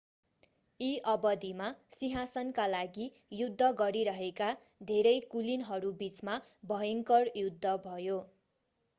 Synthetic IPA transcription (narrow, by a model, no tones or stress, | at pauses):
iʔʌbʌd̪ʱimasiɦasʌnkalaɡi | jud̪ʱːʌɡʌɾiɾʌɦeka | d̪ʱeɾʌjkulinɦʌɾubit͡smabʱʌjʌŋkʌrjud̪ʱːʌbʱʌjo